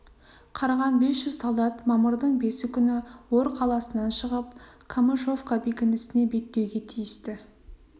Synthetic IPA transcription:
qʰɑɾɑʁɑnbe̞sʒʏzsolˠd̪ɑt̪mɑməɾd̪əɴbe̞sɪkʲʰʏnɪwoɾqʰɑlˠɑsənɑnʃəʁəp | kʰamoʃo̞vkabe̞kʲɪnɪsɪne̞be̞t̪ːe̞wɡʲe̞t̪ʰijɪst̪ɪ

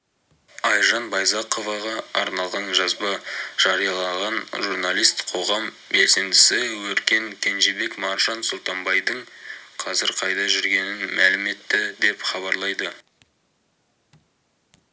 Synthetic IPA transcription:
ɑjʒɑnbɑjzɑqovɑʁɑɑɾnɑlˠʁɑnʒɑzbɑʒ̥ɑɾijɑlˠɑʁɑnʒuɾnɑlˠijst̪qʰo̞ʁɑm | be̞lse̞nd̪ɪsɪwɵɾkʲe̞ŋkʲʰe̞nʒebe̞kmɑɾʒɑnsʊlˠt̪ɑmbɑjd̪əɴqʰɑzɪɾqʰɑjd̪ɑʒʏɾɡʲe̞nɪnmælɪme̞t̪ːɪd̪e̞pχɑβɑɾlˠɑjd̪ə

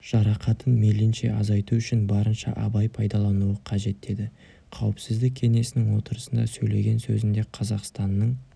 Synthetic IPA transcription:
ʒ̥ɑɾɑqɑt̪ʰənmelɪnʃe̞̰ʔɑzɑjt̪uʏʃɪnbɑɾənʃɑ̰ʔɑ̰bɑjpʰɑjd̪ɑlˠɑnuəqʰɑʒe̞t̪ːe̞d̪ɪ | qʰɑwəpsɪzd̪ɪk̚ʲʰe̞ŋe̞sɪnɪŋwo̞t̪əɾəsənd̪ɑ̰sɵjle̞̰ɡʲe̞nsɵzɪnd̪e̞qʰɑzɑqst̪ɑnːəɴ

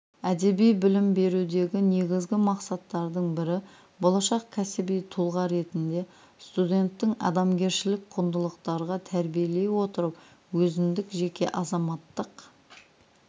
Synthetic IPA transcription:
æd̪e̞bijbɪlɪmbe̞ɾud̪e̞ɡʲɪne̞ɡʲɪzɡʲɪmɑqsɑt̪ːɑɾd̪əɴbɪɾɪ | bo̞lˠɑʃɑqkʲʰæsɪbijt̪ʰulˠʁɑɾe̞t̪ɪnd̪e̞ | st̪ud̪ʲe̞nt̪ːɪŋɑ̰d̪ɑmɡʲe̞ɾʃɪlɪk̚qʰʊnd̪əlˠəqt̪ɑɾʁɑt̪ʰæɾbije̞le̞wo̞t̪əɾəp | wɵzɪnd̪ɪkʒe̞kʲe̞̰ʔɑzɑmɑt̪ːəq

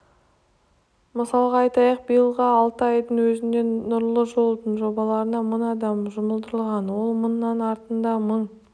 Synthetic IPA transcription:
məsɑlˠʁɑɑjt̪ɑjɑq̚bijəlˠʁɑɑlˠt̪əɑjd̪əɴwɵzɪnd̪e̞nʊɾlˠəʒo̞lˠd̪əɴʒo̞bɑlˠɑɾənɑmʊnɑd̪ɑmʒʊməlˠd̪əɾəlˠʁɑnwo̞lˠmənːɑnɑɾt̪ənd̪ɑməɴ

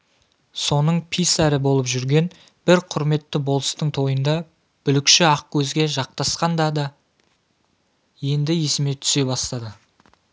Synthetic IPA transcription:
so̞nəɴpʰisɑɾəbo̞lˠəpʒʏɾɡʲe̞n | b̥ɪɾqʰʊɾme̞t̪ːɪbo̞lˠəst̪əɴt̪ʰo̞jənd̪ɑ | b̥ʏlɪkʃɪɑq̚kʲʰɵzɡʲe̞ʒɑq̚t̪ɑsqɑnd̪ɑd̪ɑ | je̞nd̪ɪje̞sɪme̞t̪ʰʏ̥se̞bɑst̪ɑd̪ə

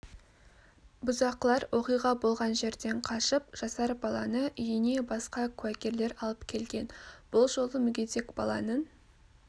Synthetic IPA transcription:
bʊzɑqlˠɑɾwʔo̞qijʁɑbo̞lˠʁɑnʒe̞ɾd̪e̞ɴqʰɑʃəp̚ʒ̥ɑsɑɾb̥ɑlˠɑnəʔʏjəne̞bɑsqɑkʲʰʉækʲe̞ɾle̞ɾɑlˠəpkʲʰe̞lɡʲe̞nb̥ʊlˠʒo̞lˠəmʏɡʲet̪e̞kb̥ɑ̰lˠɑ̰nən

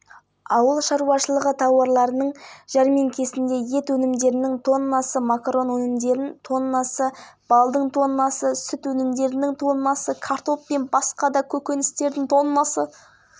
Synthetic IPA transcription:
ɑwəlˠʃɑɾuwɑʃəlˠəʁət̪ʰɑwɑɾlˠɑɾənəɴʒɑɾmeŋkʲʰe̞sɪnd̪e̞je̞t̪wɵnɪmd̪e̞ɾɪnɪŋt̪ʰo̞nːɑsəmakro̞nwɵnɪmd̪e̞ɾɪnt̪ʰo̞nnɑsəb̥ɑlˠd̪əɴt̪ʰo̞nnɑsəsʏt̪wɵnɪmd̪e̞ɾɪnɪŋt̪ʰo̞nənɑsəkʰaɾt̪o̞pːe̞nbɑsqɑd̪ɑkʲʰɵkʲe̞nɪst̪e̞ɾd̪ɪŋt̪ʰo̞nnɑsə

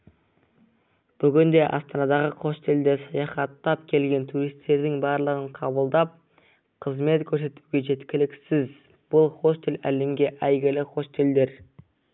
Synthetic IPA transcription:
b̥ʏɡʲɪnd̪e̞ʔɑ̰st̪ɑnɑd̪ɑʁəqʰo̞st̪eld̪e̞sɑjɑχɑt̪ːɑpkʲʰe̞lɡʲe̞nt̪ʰuɾist̪ːe̞ɾd̪ɪŋbɑɾlˠəʁəɴqʰɑbəlˠd̪ɑp̚ | qʰəzme̞t̪kʲʰɵɾse̞t̪uɡʲe̞ʒe̞t̪kʲɪlɪksɪz | b̥ʊlˠχo̞st̪e̞lælemɡʲe̞ʔæjɡʲɪlɪqʰo̞st̪e̞ld̪e̞ɾ

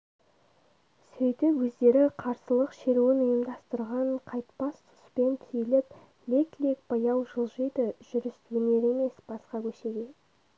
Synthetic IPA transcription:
sɵjt̪ɪpwɵzd̪e̞ɾɪqʰɑɾsəlˠəqʃe̞ɾuwɪnʊjəmd̪ɑst̪əɾʁɑɴqʰɑjt̪pɑst̪ʰʊ̥spe̞nt̪ʰijɪlɪp | le̞klek̚b̥ɑjɑwʒəlˠʒəjd̪əʒ̥ʏɾɪst̪wɪne̞ɾe̞me̞sb̥ɑsqɑkʲʰɵʃe̞ɡʲe̞

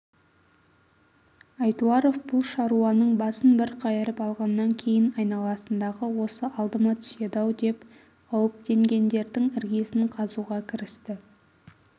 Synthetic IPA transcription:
ɑjt̪uɑɾo̞fbʊlˠʃɑɾuɑnəɴbɑsənbɪɾqʰɑjəɾəpɑlˠʁɑnːɑŋkʲʰe̞jɪnɑjnɑlˠɑsənd̪ɑʁəwo̞səʔɑlˠd̪əmɑt̪ʰsjed̪ɑwd̪e̞p | qʰɑwəp̚t̪e̞ŋɡʲe̞nd̪e̞ɾd̪ɪŋɪɾɡʲe̞sɪɴqʰɑzuʁɑkʲʰɪɾɪst̪ɪ

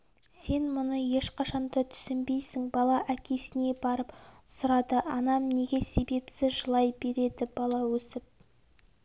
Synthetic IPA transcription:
se̞nmʊnəje̞ʃqʰɑʃɑnd̪ɑt̪ʰʏ̥sɪmbe̞jsɪŋbɑlˠɑʔækʲʰe̞sɪne̞bɑɾəpsʊɾɑd̪əʔɑnɑmne̞ɡʲe̞se̞be̞psɪzʒəlˠɑjbe̞ɾe̞d̪ɪbɑlˠɑwɵsɪp̚

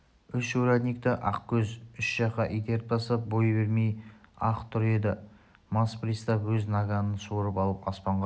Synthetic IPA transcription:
ʏʃʃuɾaɡ̪nʲik̚t̪ɪʔɑqkʲʰɵzʏʃʒ̥ɑqɑʔijd̪e̞ɾt̪̚bɑsɑp̚bojbe̞ɾme̞jɑqt̪ʰʊɾe̞d̪ɪ | mɑspɾist̪ɑpwɵznɑɡanənsuɾəpɑlˠəpɑspɑɴʁɑ

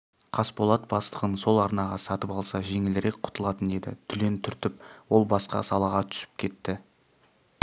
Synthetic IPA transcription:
qʰɑspo̞lˠɑt̪̚bɑst̪ˠəʁənso̞lˠɑɾnɑʁɑsɑt̪əpɑlˠsɑʒe̞ŋɪlɪɾe̞k̚qʰʊ̥t̪əlˠɑt̪əne̞d̪ɪ̰t̪ʰʏle̞nt̪ʰʏɾt̪ɪp̚wo̞lˠbɑsqɑ̰sɑlˠɑʁɑt̪ʰʏ̥sɪ̥p̚kʲʰe̞t̪ːɪ

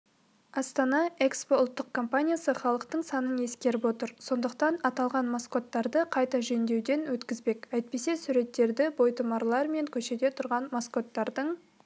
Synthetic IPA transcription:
ɑst̪ɑnɑe̞kspo̞ʊlˠt̪ːəq̚kʰo̞mpanʲijasəχɑlˠəqt̪əɴsɑnəne̞skʲe̞ɾɪpwo̞t̪əɾso̞nd̪əqt̪ɑnɑt̪ɑlˠʁɑnmosko̞t̪ːɑɾd̪əqʰɑjt̪ɑʒɵnd̪e̞wd̪e̞nwɵt̪kʲɪzbe̞kæjt̪̚pe̞se̞suɾe̞t̪ːe̞ɾd̪ɪbo̞jt̪əmɑɾlˠɑɾme̞ŋkʲʰɵʃe̞d̪e̞t̪ʰʊɾʁɑnmosko̞t̪ːɑɾd̪əɴ

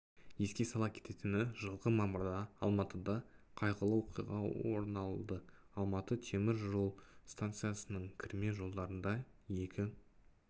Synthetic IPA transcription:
je̞skʲe̞sɑlˠɑp̚kʲʰe̞̥t̪e̞t̪ɪnɪʒəlˠʁəmɑməɾd̪ɑɑ̰lˠmɑt̪əd̪ɑqʰɑjʁəlˠəwo̞qijʁɑ̰wo̰ɾnɑlˠd̪ə | ɑlˠmɑt̪ət̪ʰe̞mɪɾʒo̞lˠst̪ant̪sɨjasənəɴkʲʰɪɾme̞ʒo̞lˠd̪ɑɾənd̪ɑje̞kʲɪ

